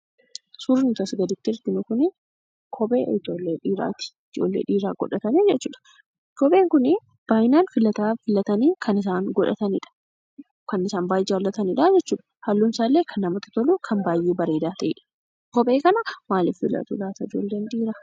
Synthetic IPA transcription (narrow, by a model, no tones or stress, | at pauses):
sʊɾnt̪ɐsɡɐd̪ɪt̪ːɪɪɾt̪ɪnʊkʊnɪ | kʰɔbe̞̰ːʔɪd͡ʒoːlːeːᶑiːɾa̰ːt̪ɪ̥ɪd͡ʒo̰ːlːḛːᶑiːɾaːɡ̥ɔᶑɐt̪ɐnid͡ʒɛt͡ʃːuːᶑɐ̥ | kɔbe̞ːŋkʊnɪ | b̥aːjnaːnfɪlɐt̪aːfɪlɐt̪ɐniːkʰɐnɪsaːŋɡɔᶑɐ̰t̪ɐnɪᶑɐ̥ | kɐnɪsaːnbaːjʔewɐlːɐt̪ɐnɪᶑad͡ʒɛt͡ʃːuːᶑɐ̥hɐlːʊnsaːlːe̞ːkʰɐnːɐmɐt̪ːɪ̥t̪ɔluːkʰɐmbaːjʔeːbɐɾeːd̪aːt̪ɐɪ̰ᶑɐ̥ | kɔbʼe̞ːkɐnɐmaːlɪfɪ̰lɐ̰t̪ṵlaːt̪ɐɪd͡ʒo̞ːlːeːnᶑiːɾaː